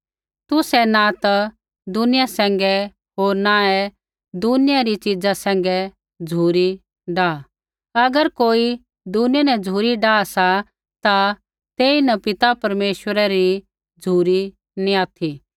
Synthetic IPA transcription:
t̪ʊsɛnat̪a | d̪ʊnɪjasɛ̃ːŋɡɛ | ɦoːɾnaɛ | d̪ʊnɪjaɾit͡ʃɪd͡zasɛ̃ːŋ̆ɡɛ | d͡zʱuːɾi | ɖaː | ɐɡəɾkoːi | d̪ʊnɪjanɛd͡zʱuːɾiɖaːsa | t̪a | t̪eːinɐpɪt̪apɐɾmeːʃwəɾɛɾi | d͡zʱuːɾi | nĩaːt̪ʰi

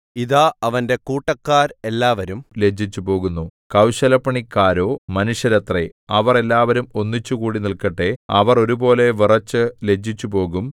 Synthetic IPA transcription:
iðaːɐʋɐnde̞kuːʈːɐkːaːɾe̞lːaːʋɐɾumle̞d͡ʑʱit͡ɕːupo̞ːɣunːukɐwɕɐlɐpːɐɳikːaːɾo̞ːmɐnuɕjɐɾɐt̪reɐʋɐre̞lːaːʋɐɾumo̞nːit͡ɕːukuːɽinilkɐʈːe̞ɐʋɐro̞ɾubo̞ːle̞ʋirɐt͡ɕːɨle̞d͡ʑʱːit͡ɕːupo̞ːɣum

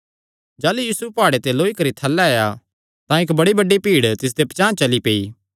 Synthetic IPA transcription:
d͡ʒaːlujiːsʊpaːɽet̪eloːikɐɾit̪ʰɐlːaɐja | t̪ãɪkbɐɽibɐɖipiːɽt̪ɪs̬d̪epɐt͡ʃãːt͡ʃɐlipeːiː

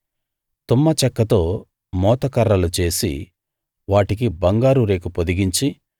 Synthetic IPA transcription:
t̪umːɐt͡ʃɛkːɐt̪o̞ː | mɔːt̪ɐkɐɾːɐlut͡ʃe̞ːsḭ | ʋaːʈik̬ibɐŋɡaːɾuɾe̞ːkupod̪iɡiɲt͡ʃi

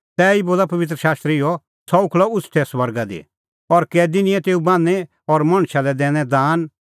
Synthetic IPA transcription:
t̪ɛːiboːlapɐʋɪt̪̬ɾəʃaːst̪ɾɪjɔ | sʰɔukʰlɔʊsʰt̪ʰɛsʋɐɾɡad̪ḭ | ɔɾkɛd̪ɪnɪ̃jɛt̪eːubãːnɛ | ɔɾmɐ̃ɽ̃ʃalɛd̪ɛ̃ːɽ̃ɛ̃d̪aːn

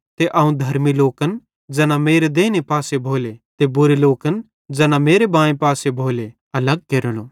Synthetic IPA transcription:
t̪eʔaːũd̪ʱɐɾmiloːkən | d͡ʒɐnameːɾed̪eːnepaːsebʱoːlet̪ebʊɾeloːkən | d͡ʒɐnameːɾebãːẽpaːsebʱoːle | ɐləɡ̚keɾəloː

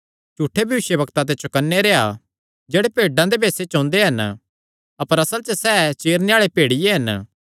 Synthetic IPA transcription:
d͡ʒuːʈʰːebʱjɐʋɪʃjəbɐkt̪at̪̬et͡ʃʊkɐnːeɾeːa | d͡ʒeːɽepeːɖãd̪ebʱeːset͡ʃõnd̪eɦɐn | ɐpəɾɐsəlt͡ʃəsɛːt͡ʃeːɾneaːɭepeːɽɪjeɦɐn

